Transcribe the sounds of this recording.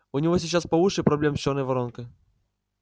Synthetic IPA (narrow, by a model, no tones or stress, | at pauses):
ʊnʲɪvosʲɪt͡ɕaspɐvuʂɪjpɾɐblʲemɕonəjvɐɾonkɨ